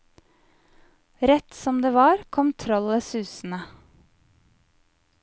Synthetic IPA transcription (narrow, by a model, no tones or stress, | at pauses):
ɾɛt̪sɔmd̪eːʋɑːɾkʰɔmt̪ʰɾɔləsʉːsn̩ə